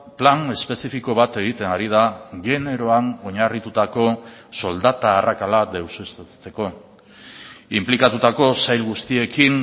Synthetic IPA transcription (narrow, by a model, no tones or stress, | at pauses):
plane̞spe̞sifiko̞β̞at̪e̞ɣ̞it̪e̞naɾiðaɣe̞ne̞ɾo̞ano̞ɲarit̪ut̪ako̞so̞ld̪at̪aːrakalad̪e̞wsest͡se̞ko̞ | implikat̪ut̪ako̞sajlɣust̪ie̞kin